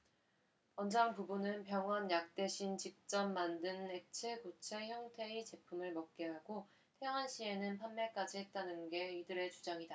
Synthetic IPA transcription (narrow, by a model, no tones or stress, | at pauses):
ʌnd͡ʑaŋpubunɯnpjʌŋwʌnjak̚t͈e̞ɕʰint͡ɕip̚t͡ɕ͈ʌmːandɯne̞k̚t͡ɕʰekut͡ɕʰe̞çjʌŋtʰe̞it͡ɕe̞pʰumɯɭmʌk̚k͈eɦaɡo | tʰeŋɦanɕʰie̞nɯnpʰanme̞k͈ad͡ʑiɦe̞t̚t͈anɯnɡe̞idɯɾe̞t͡ɕud͡ʑaŋida